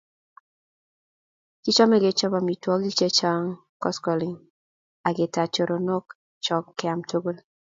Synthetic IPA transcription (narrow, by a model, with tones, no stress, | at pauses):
ki˦t͡ʃɔ˦mɛ˦ɡɪ˦t͡ʃɔ˦ba˨mi˨twɔ˦ki˦t͡ʃe˦t͡ʃa˦ŋ | kɔ˦skɔ˨li˨ŋ | a˨ɡɪ˨ta˨t͡ʃo˨ɾo˨no˦k | t͡ʃɔ˦kːɪ˦a˨mtʰo˦ɡo˦l